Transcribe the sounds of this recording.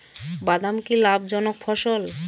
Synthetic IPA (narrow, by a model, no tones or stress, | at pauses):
bad̪amkilabd͡ʑɔnokfʰɔʃol